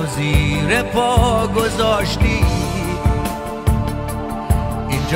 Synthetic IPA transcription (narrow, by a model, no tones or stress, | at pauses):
ziːɾepʰɔːɡozɔːʃt̪i | ind͡ʒ